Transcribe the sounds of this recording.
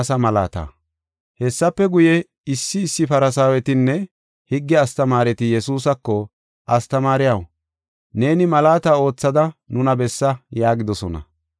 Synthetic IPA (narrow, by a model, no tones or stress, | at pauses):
sɐmɐla̰ːt̪a̰ː | hɛsːɐpːɛɡʊjɛ | ɪsːɪːsːɪfɐɾɐsaːwɛt̪ɪnːɛ | hɪɡːɛɐst̪ɐmaːɾɛt̪ɪjɛsuːsɐkːɔ | ʔɐst̪ɐmaːɾɪjɐw | ne̞ːnɪmɐlaːt̪aːo̞ːt͡sːɐd̪ɐnʊnɐbɛsːɐjaːɡɪd̪ɔsɔnɐ̰